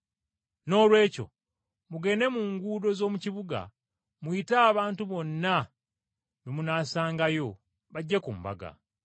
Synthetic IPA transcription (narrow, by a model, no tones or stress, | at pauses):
no̞ːlwe̞ːco̞̰ | muɡe̞ne̞muːŋɡuːdo̞zo̞ːmuciβuɡa̰ | muitaːβaːntuβo̞nːa | memunaːsaːŋɡajo̞ | βaɟːekumba̰ɡa̰